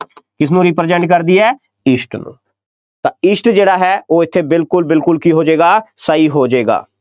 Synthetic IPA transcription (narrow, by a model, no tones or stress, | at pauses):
kɪs̬nũːɾiːpɾd͡ʒəɳɖkəɾd̪iːɛː | ɪʃʈnṵ̃ː | t̪ãːɪʃʈd͡ʒeːɽaːɦɛːoːɪt̪ʰːeːbɪlkʊlbɪlkʊlkiːɦoːd͡ʒeːɡaːsəiːɦoːd͡ʒeːɡa̰ː